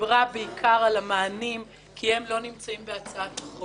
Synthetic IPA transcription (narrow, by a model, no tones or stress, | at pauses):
ʁabeikʰaʁalamaːnim | kʰihemlo̞nimt͡saimbeat͡saat̪aχo